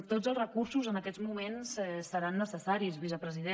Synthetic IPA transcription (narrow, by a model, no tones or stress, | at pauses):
t̪od͡zəlˠzrəkursuzənəkɛd͡zzmumensɛsːəɾanːəsəsaɾizβizəpɾəziðe